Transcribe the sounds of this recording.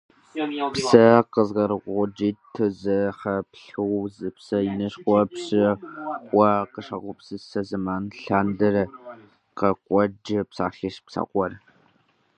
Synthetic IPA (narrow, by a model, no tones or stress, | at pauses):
psɐqəzʁɐɾɨqʷʼʊd͡ʒiːtʰɨzɨχɐpɬɨwzɨpsɐjinɨʃχʷɔpɕɪ | ɐqəʂɐʁʷʊpsɨsɐzɨmaːnɬaːndɐr | qɐqʷʼɔd͡ʒɪpsa̰ːɬiʃpsa̰ːqʷʼɔr